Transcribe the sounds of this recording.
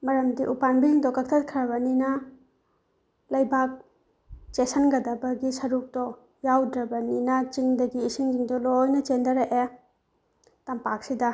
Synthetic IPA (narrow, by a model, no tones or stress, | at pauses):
mɐɾɐmdiʔupanbiiŋdɔkɐk̚tʰat̚kʰɐɾɐβɐninɐ | lɐjbak̚ | t͡ʃesɐnɡɐdɐbɐɡisɐɾuk̚dɔ | jawdɾɐbɐninɐt͡ʃiŋdɐɡiːsiŋd͡ʒiŋdɔlɔjnɐt͡ʃendɐɾeʔe | tɐmpak̚sidɐ